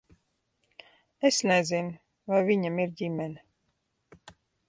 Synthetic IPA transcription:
esnezin | vajviɲamiɾɟʲimɛn

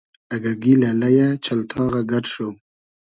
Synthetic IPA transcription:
aɡaɡilalajat͡ʃalt̪ʰɑːɣaɡaʈʂow

